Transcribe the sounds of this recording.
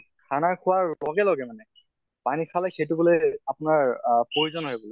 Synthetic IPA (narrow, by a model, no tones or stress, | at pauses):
kʰanakʰʊwaɹlɔɡɛlɔɡɛmanɛ | panikʰalɛxejtubolojapʊnaɹpɹoɹuzɔnɦojbolo